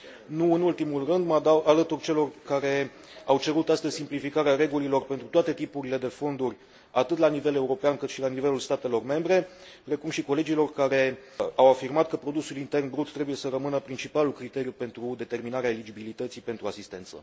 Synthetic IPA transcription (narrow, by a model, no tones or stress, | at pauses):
nuɨnult̪imulrɨnd̪mad̪awalət̪urʲt͡ʃe̞lo̞rkaɾe̞ | awt͡ʃe̞ɾut̪ast̪əzʲsimplifikaɾeaɾe̞ɡulilo̞rpe̞nt̪ɾut̪oat̪e̞t̪ipuɾile̞d̪e̞fo̞nd̪urʲ | at̪ɨt̪lanive̞le̞uɾo̞peankɨt̪ʃilanive̞lulst̪at̪e̞lo̞rme̞mbɾe̞ | pɾe̞kumʃiko̞le̞d͡ʒilo̞rkaɾe̞awafirmat̪̚kəpɾo̞d̪usulint̪e̞rnbɾut̪ːɾebuje̞səɾəmɨnəpɾint͡ʃipalulkɾit̪e̞ɾijupe̞nt̪ɾud̪e̞t̪e̞rminaɾeaelid͡ʒibilit̪ət̪sipe̞nt̪ɾuasist̪e̞nt̪sə̰